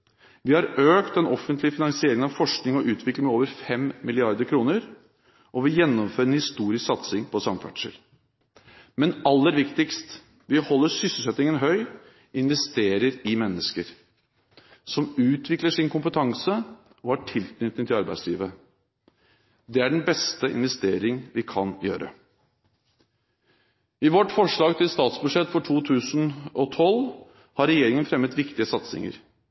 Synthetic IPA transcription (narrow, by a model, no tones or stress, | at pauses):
ʋɪhɑɾøːkt̪ɛnɔfənt̪lɪfɪnɑŋsɪeːɾɪŋənɑʋfɔʂknɪŋɔʔʉːt̪ʰʋɪkləŋmɛoːʋəɾfɛmmɪlɪɑɾd̪əkʰɾuːnəɾ | ʔɔʋɪjɛnːɔmføːɾɛnhɪst̪uːɾɪsksɑt̪sɪŋpʰɔsɑŋfæ̰ʈʂə̰l | mɛnɑlːəɾʋɪkt̪ɪkst̪ | ʋɪhɔlːəsʏsəsɛt̪ɪŋənɦœʏ | ɪnʋɛst̪eːɾəɾɪmɛnːəskəɾ | sɔmʉːt̪ʰʋɪkləʂɪnkʊmpət̪ʰɑŋsə | ɔæʈʰɪlk̪nʏt̪nɪt̪ʰɪlɑɾbæ̰ɪslḭːʋə | d̪ɛæɖɛnbɛst̪əʔɪ̰nʋɛst̪eːɾɪŋʋɪkʰɑnjø̰ːɾə̰ | ɪʋɔʈfɔʂɭɑːɡt̪ʰɪlst̪ɑːt̪sbʉʂɛt̪ːfɔʈʰuːt̪ʰʉːsnɔt̪ʰɔl | hɑɾɛjeːɾɪŋənfɾɛmːət̪ʋɪkt̪ɪəsɑt̪sɪ̰ŋə̰ɾ